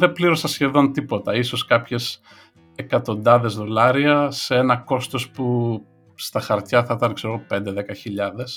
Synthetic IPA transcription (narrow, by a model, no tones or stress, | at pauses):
ðe̞bliɾo̞sɐsçe̞ðo̞nt̪ipo̞t̪ɐiso̞skɐpçe̞s | e̞kɐt̪o̞nd̪ɐðe̞zðo̞lɐɾiɐse̞enɐko̞st̪o̞spu | st̪ɐxɐɾt̪çɐθɐt̪ɐnkseɾoɣope̞nd̪e̞ðe̞kɐçiʎɐðe̞s